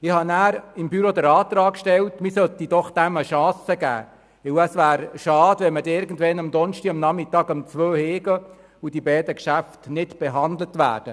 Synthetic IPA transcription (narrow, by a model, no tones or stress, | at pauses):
ɪhɑnæːɾɪmbyɾod̪əɾɑːt̪ɾɑːkːʃtɛltmɪsœt̪id̥ɔχd̥æməʃɑ̃ːsəɡæ̰ː | ʋɪwəsʋæːɾʃɑːd̥ʋɛmədɪɾɡən̩dʋɛnɑmd̪ɔnʃtiɑmnɑmɪtɑːɡɑmt͡sʋøːheːɡə | ʊd̥ibɛːdəkʃæftnɪtb̥eɦɑnd̪lətʋæ̰ːd̥ə